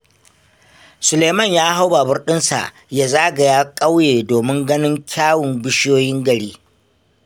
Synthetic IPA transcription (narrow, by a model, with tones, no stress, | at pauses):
sʊ˨leː˨mɐ˦˨ɲjaː˦ɦa˦wba˨bʊ˦rɗɪ˦nsa̰˨ʔ | jaː˦zaː˦ɡɐ˨jaː˦kʼa˦wjeː˨doː˨mɪ˦ŋɡɐ˦nɪ˦ŋkʲʰaː˦wʊ˨mbɪ˦ʃjoː˦jɪ˦ŋɡɐ˨ɽiː˦